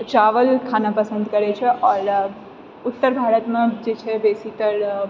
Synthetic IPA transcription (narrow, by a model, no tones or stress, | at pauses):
t͡ʃaːʋəlkʰaːnapəsə̃nd̪kəɾet͡ʃʰeʔɔːɾ | ʊt̪ːəɾbʱaːɾət̪mãd͡ʒet͡ʃʰebesit̪əɾ